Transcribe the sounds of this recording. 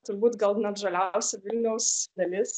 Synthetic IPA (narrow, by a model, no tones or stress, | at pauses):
t̪ʊɾbuːt̪ɡɐlˠnʲɛʒɐlʲɛʊsʲɛʋʲɪlʲnʲɛʊsd̪ɐlʲɪs